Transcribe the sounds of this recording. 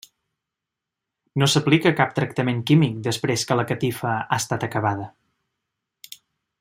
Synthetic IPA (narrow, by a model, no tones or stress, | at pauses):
nosəplikəkap̚t̪ɾək̚t̪əmeŋkimik̚d̪əspɾeskələkət̪ifəa̰st̪at̪əkəβ̞aðə